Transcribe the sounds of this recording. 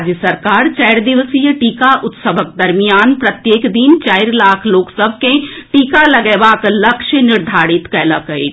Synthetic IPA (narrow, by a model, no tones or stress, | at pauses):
d͡ʒjəsəɾkaːɾt͡ʃɛːɪɾd̪ɪʋəsijəʈiːkaʔʊt̪səbək̚d̪ɐɾmijaːnpɾɐt̪jeːkd̪int͡ʃaːɪɾlaːkʰloːksəbʱkẽʈiːkalɐɡɛːʋaːklɐkʃənɪɾd̪ʱaːɾɪt̪kɛːləkəeː